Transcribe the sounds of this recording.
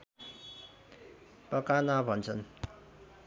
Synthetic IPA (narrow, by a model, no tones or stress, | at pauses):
pʌkanabʱʌnt͡sʰʌn